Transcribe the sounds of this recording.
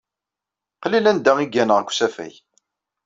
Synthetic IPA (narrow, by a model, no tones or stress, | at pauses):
qlilænd̪æʁiɡænəʁkʷːsæfæ̰j